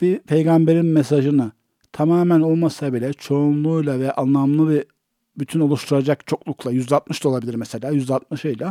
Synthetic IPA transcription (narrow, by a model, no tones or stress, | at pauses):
b̥ipʰe̞jɡambe̞ɾinmes̬aʒɯnɯ | t̪ʰamaːmæno̞lˠmasabilʲɛt͡ʃʰo̞unlˠuːjlˠavɛʔanlˠamlˠɯbi | byt̪ʰyno̞lˠuʃt̪ʰuɾad͡ʒakt͡ʃʰo̞klˠuklˠajyzd̪ɛat̪̚mɯʃt̪ao̞lˠabilʲiɾmɛse̞lʲaːjyzd̪ɛat̪̚mɯʃɯjlˠa